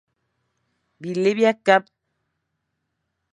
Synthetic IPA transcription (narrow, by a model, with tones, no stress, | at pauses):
bi˨le˦bja˦ka˦p̚